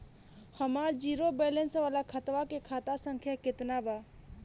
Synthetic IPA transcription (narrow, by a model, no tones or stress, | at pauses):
həmaːɾd͡ʒiːɾobɛːlənsʋaːlakʰət̪ʋakekʰaːt̪asə̃ŋkʰjakɪt̪nabaː